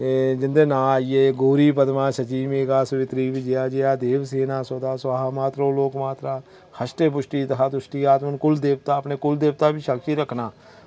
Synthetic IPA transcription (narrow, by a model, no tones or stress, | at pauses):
d͡ʒɪnd̪eːnãːaːieːɡoːɾiːpəd̪mãːʃət͡ʃiːmeːɡaːsʊʋɪt̪ɾiːʋid͡ʒejaːd͡ʒejaːd̪eːʋseːnaːsoːd̪aːsaɦaːmaːt̪ɾõːloːkmaːt̪ɾaː | həʃʈeːp̬ʊʃʈiːt̪əɦaːd̪ʊʃʈiːaːt̪mənkʊld̪eːʋt̪aːəpneːkʊld̪eːʋt̪aːbiːʃəkt͡ʃiːɾəkʰnaː